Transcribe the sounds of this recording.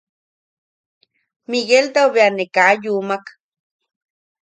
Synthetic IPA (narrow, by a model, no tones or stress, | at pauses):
miɣelt̪aoβeanekajumak